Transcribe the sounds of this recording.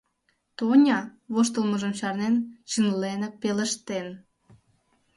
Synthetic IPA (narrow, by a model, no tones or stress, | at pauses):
t̪onʲɑβoʃt̪əlməʒəmɕɑrnent͡ɕənlenepelə̆ʃt̪en